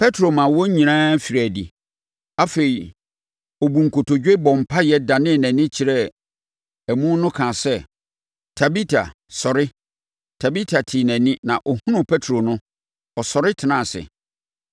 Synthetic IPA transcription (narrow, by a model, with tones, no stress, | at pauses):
pʰɛ˦tʰɾo˨mã˨wɔ˦ɲĩ˨nãː˦fi˨ɾæ˨dḭ˨ | a˦fe˨i˨ | ɔ˨bu˨ŋ̩˨kʰo˨tʰo˨d͡ʑᶣe˦bɔ̃˨m̩˨pʰa˦jɛ˦da˨nɪ̃˦˨nɛ̃˨nɪ̃˦t͡ɕʰɪ˨ɾɛ˦ | æ˨mũ˦nʊ̃˦kʰã˨sɛ˦ | tʰa˨bi˦tʰa̰˨ | sɔ˨ɾɪ˦ | tʰa˨bi˦tʰa˨tʰi˨næ̃˨nɪ̃˦nã˨ʔɔ˨hũ˦nʊ̃˦pʰɛ˦tʰɾo˨nʊ̃˦ | ɔ˨sɔ˨ɾɪ˦tʰɪ˨nã˦˨sɪ̰˨